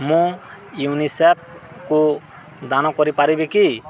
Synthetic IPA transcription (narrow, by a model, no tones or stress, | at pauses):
mũ | junisep̚ | ku | d̪anɔkɔɾipaɾibeki